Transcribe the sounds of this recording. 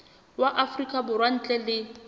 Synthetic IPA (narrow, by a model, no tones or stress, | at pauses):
waʔafrikʼabʊrwan̩t͡ɬʼɛlɪ